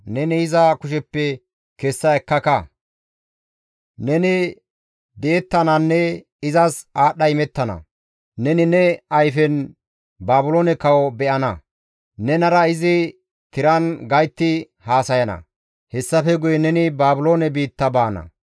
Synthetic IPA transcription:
nɛnɪɪzɐkʊʃɛpːɛ | kɛsːɐɛkːɐkɐ | nɛnɪ | d̪ɛʔɛt̪ːɐnɐnːɛ | ɪzɐsaːɗɐjɪmɛt̪ːɐnɐ̰ | nɛnɪnɛɐjfɛn | baːbʊloːnɛkɐwɔbɛʔɐnɐ̰ | nɛnɐɾɐɪzɪ | t̪ɪɾɐnɡɐjt̪ːɪ | haːsɐjɐnɐ̰ | hɛsːɐfɛɡʊjɛnɛnɪbaːbʊlo̞ːnɛbiːt̪ːɐbaːnɐ̰

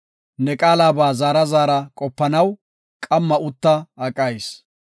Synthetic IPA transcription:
nɛkʼaːlaːbaːzaːɾɐzaːɾɐkʼɔpːɐnɐw | kʼɐmːɐʊt̪ːɐɐkʼːɐjs

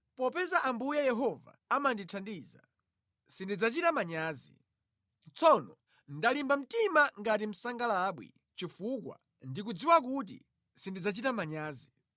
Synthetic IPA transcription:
pɔpɛzaʔambujajɛɦɔva̰amanditʰandiza̰ | sindid͡zat͡ʃitamaɲaːzḭ | t͡sʰɔnɔ | ndalimbam̩timaŋɡat̬im̩saŋɡalaːɓwḭ | t͡ʃifukwa̰ | ndik̬ud͡ziwak̬ut̬ḭ | sindid͡zat͡ʃitamaɲaːzi

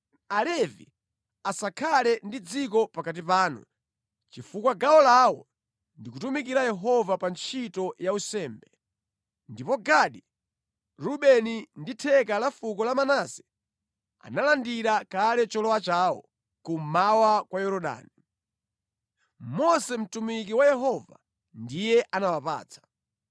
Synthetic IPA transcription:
alɛvḭ | asakʰalɛndid͡zikɔpakat̬ipaːnṵ | t͡ʃifukwaɡaɔlawɔ | ndikutumikiɾajɛɦɔvapant͡ʃʰitɔjausɛːmbɛ | ndipɔɡaɗi | ɾuɓɛninditʰɛkalafukɔlamanasɛ̥ | a̰nalandiɾakalɛt͡ʃɔlɔwat͡ʃaːwɔ̰ | kumawakwajɔɾɔɗa̰ːni | mɔsɛm̩tumikiwajɛɦɔva̰ | ndijɛʔanawapa̰ːt͡sʰḁ

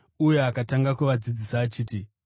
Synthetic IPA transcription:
uje̞akataŋɡakuʋad͡zid͡zisaːt͡ʃiːti

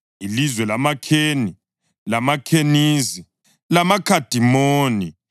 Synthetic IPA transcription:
ilizwɛlamakʰeːni | lamakʰeniːzi | lamakʰad̥ʱimoːni

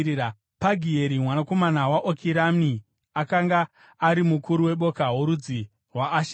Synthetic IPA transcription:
paɡʱie̞ɾimwanako̞manawaʔokʰiɾami | akaŋɡaː | ɾimukuɾuwe̞ɓo̞kaɦoɾud͡zi | rwaːʃ

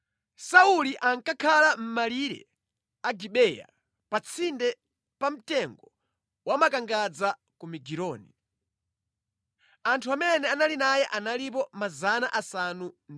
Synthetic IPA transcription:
sauliʔaŋkakʰalam̩maliɾɛ̰ | aɡiɓɛja̰ | pat͡sʰindɛ | pam̩tɛŋɡɔ | wamakaŋɡad͡za | kumiɡiɾɔːni | antʰuamɛnɛanalinajɛʔanalip̬ɔmazanaʔasanun

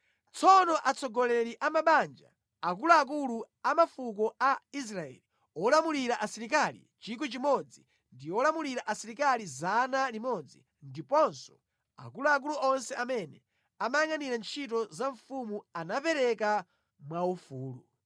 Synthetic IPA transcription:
t͡sʰɔnɔʔat͡sʰɔɡɔlɛɾiʔamaɓand͡ʒa̰ | akuluak̬ulu | amafuk̬ɔais̬ɾaɛ̰li | ɔlamuliɾaʔasiɾik̬alḭt͡ʃik̬it͡ʃimɔd͡zi | ndiɔlamuliɾaʔasiɾikalizanalimɔd͡zḭ | ndipɔnsɔ̥ | a̰kuluak̬uluʔɔnsɛamɛnɛ | amajaŋaniɾant͡ʃʰit̬ɔzaɱfumuanapɛɾɛka | mwaufuːlu

